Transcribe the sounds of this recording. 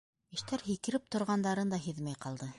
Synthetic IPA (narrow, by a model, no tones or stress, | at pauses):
ɘ̆ʃt̪æɾɦikɘ̆ɾɘp̚t̪ŏɾʁɑnd̪ɑɾɤnd̪ɑɦiðmæjqɑlˠd̪ɤ